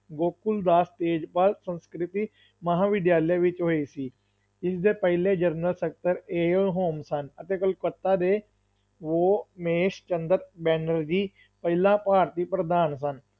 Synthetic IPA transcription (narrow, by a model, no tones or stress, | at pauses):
ɡoːkʊld̪aːst̪eːd͡ʒpaːlsə̃nskɾɪt̪iː | məɦãːʋɪd̪jaːljeʋɪt͡ʃɦoːisiː | ɪsd̪eːpəɦɪleːd͡ʒəɾnəlsek̚ʈəɾeːəlɦoːmsənət̪eːkəlkət̪ːaːd̪eː | ʋoːmeːʃt͡ʃə̃nd̪əɾbɛːnəɾd͡ʒiː | pəɦɪlãːpaːɾt̪iːpɾəd̪aːns̬ən